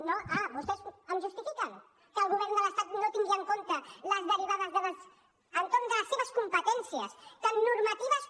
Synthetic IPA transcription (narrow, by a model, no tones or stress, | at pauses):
noʔaβust̪ɛzəmʒust̪ifikən | kəːlˠɣuβɛɾnd̪ələst̪at̪not̪iŋɡiəŋkont̪ələzðəɾiβ̞aðəzðələs | ənt̪oɾnd̪ələsːeβəskumpət̪ɛnsiəst̪ənːuɾmət̪iβəs